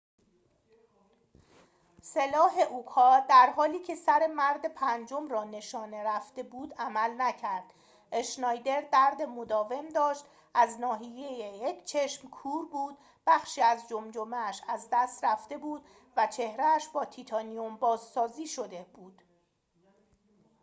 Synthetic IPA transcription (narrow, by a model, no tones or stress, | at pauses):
se̞lɒːɦe̞ʔukʰɒːd̪æɾɦɒːliːcʰe̞sæɾe̞mæɾd̪e̞pʰænd͡ʒo̞mrɒːne̞ʃɒːne̞ɾæfd̪̥e̞buːd̪æmælnæcʰæɾd̪̥ | ʔeʃnɒːjd̪e̞ɾd̪æɾd̪e̞mod̪ɒːve̞md̪ɒːʃt̪ | ʔæznɒːɦije̞jejecʰt͡ʃʰe̞ʃmkʰuːɾbuːd̪̥̚ | b̥æxʃiːæzd͡ʒomd͡ʒomeæʃæzd̪æst̪ræft̪e̞buːd̪̥ | væt͡ʃʰe̞hɾeæʃbɒːt̪ʰit̪ʰɒːnijombɒːzsɒːziːʃo̞d̪eb̥uːd̪̥